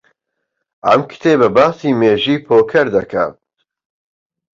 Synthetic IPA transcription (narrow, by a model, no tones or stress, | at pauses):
ʔɐ̰mkʰɨ̥t̪ʰeːbɐbaːsiːmeːʒiːpʰoːkʰɐɾd̪ɐkʰa̰ː